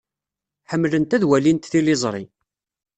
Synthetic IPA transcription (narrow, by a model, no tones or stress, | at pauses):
ħəmːlənt̪æðwælint̪θilɪzˤɾˤi